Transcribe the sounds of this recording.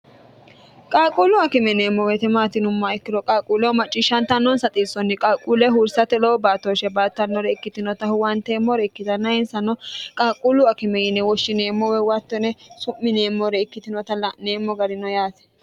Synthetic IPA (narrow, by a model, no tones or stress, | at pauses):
kʼaːkʼuːlʊɐkɪmɛneːmːɔwɛt̪ɛmaːt̪ɪnʊmːaɪkːɪdɔkʼaːkʼuːlɛɔmɐt͡ʃʼːɪʃɐnt̪ːɐnːɔnsɐt̪ʼiːsɔnːɪkʼaːkʼuːlɛɦuɾsɐt̪ɛlobaːt̪ːoʃɛbaːt̪ːɐnːɔɾɛɪkːɪt̪ɪnɔt̪ɐhʊwɐnt̪eːmːɔɾɛɪkːɪt̪ɐnːɐɪnsɐnːɔkʼaːkʼulʊɐkɪmɛjɪnːɛwɔʃːɪneːmːɔwɛwat̪ːɔnɛsʊmːɪneːmːɔɾɛɪkːɪt̪ɪnɔt̪ɐlɐneːmːɔɡɐɾɪnɔjaːt̪ɛ̥